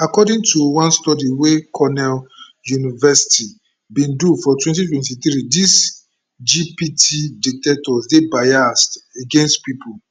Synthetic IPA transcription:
akɔdĩŋtuwãnstɔdiwekʰɔnɛl | junivɛsi̥ti | bĩndufɔtwɛ̃ntitwɛ̃ntit̪ɾidis | d͡ʒipitʰidik̚tɛtɔsdebajasteɡɛ̃nstpipo

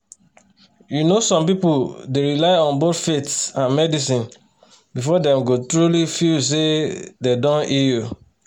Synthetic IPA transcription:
junosɔ̃mpipuldeɹilaɪɔ̃nbotfetsãnmɛdisĩn | bifɔdɛ̃mɡotɹulifis̬ededɔ̃niju

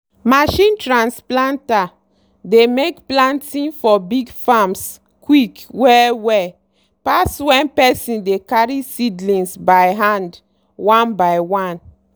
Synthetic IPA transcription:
maʃĩntɹãnsplãnta | demekplãntĩnfɔbiɡfams | kwikwɛwɛ | paswɛ̃npɛsĩndekaɹisidlĩnsbajɦãnd | wãnbajwãn

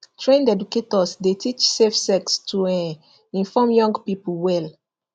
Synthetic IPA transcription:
tʰɹẽndɛduketɔsdetʰit͡ʃsefsɛkstʰuɛ̃ | ĩnfɔ̃mjɔ̃ŋɡpipulwɛl

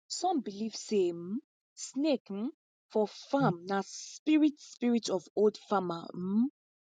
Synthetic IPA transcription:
sɔ̃mbilivsem̩ | snekm̩ | fɔfamnaspiɹitspiɹitʰɔvoldfama̰m̩

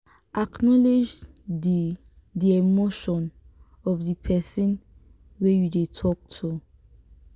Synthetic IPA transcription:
ʔaknɔled͡ʒ | i | diemoʃɔ̃n | ɔvdipʰɛsĩn | wejudetʰɔk̚tʰu

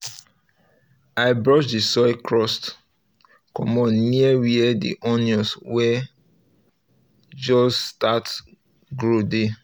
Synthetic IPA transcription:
aɪbɹɔʃdisɔjkʰɹɔst | kɔmɔ̃nniɛwiɛdḭʔɔniɔswɛ | d͡ʒɔsstat | ɡɹode

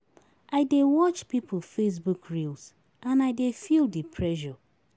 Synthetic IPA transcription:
ʔaɪdewɔt͡ʃpip̩ʰfes̬bukɹilˠs | ãnaɪdefilˠdipʰɹɛʒɔ

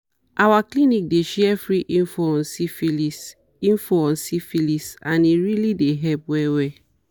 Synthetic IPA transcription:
ʔawaklinik̚deʃɛɛfɹiʔĩnfɔɔ̃nsifilis | ĩnfoɔ̃nsifilisãniɹilideɦɛpwɛwɛ

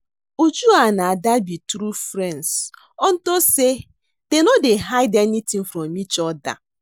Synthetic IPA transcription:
ud͡ʒuanaadabitɾufɾɛns | ɔn̩tose | d̥enɔdeɦaɪdɛnitĩŋ̩fɾɔmit͡ʃɔda̰

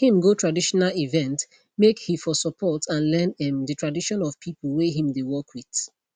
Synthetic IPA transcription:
hĩmɡotʰɹadiʃɔnalivɛ̃nt | mekhifɔsɔpʰɔtʰãnlɛ̃nɛ̃mdətɹadiʃɔ̃nɔv̥pʰipəlweɦĩmdewɔkʰwiθ

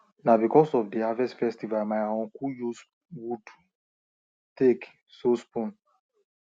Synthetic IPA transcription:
nabikɔsɔvdiavɛstfɛstivalmaɪaɔ̃nkujus | wut | tek | sospũn

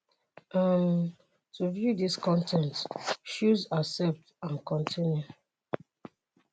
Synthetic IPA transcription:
am | tuvjudiskɔ̃ntʰɛ̃ntʃuzasɛp̚tãnkɔ̃ntʰĩnju

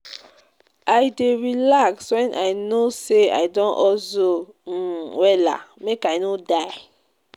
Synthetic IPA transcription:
ajdeɹilakswɛ̃nʔajnosea̰jdɔ̃nɔso | wɛla̰mekajnodaɪ

